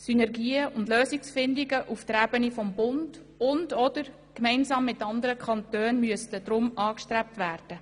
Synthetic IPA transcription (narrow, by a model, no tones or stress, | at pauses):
synɛrɡiːəʊndløːsiksfɪndiɡəʔuft̪əɾæbənifɔmbʊnd̥ | ʊndɔdəɾ | kmɛɪnsɑːmːɪtɑndəɾəkʰɑntøːnmyəstəd̥ɾʊmɑːkʃtɾɛp̚tʋæːrd̥ə